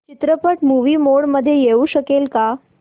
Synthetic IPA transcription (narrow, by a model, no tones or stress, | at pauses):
t͡ɕit̪ɾəpəʈmuʋiːmoɭməd̪ʱːjejeuɕəkelka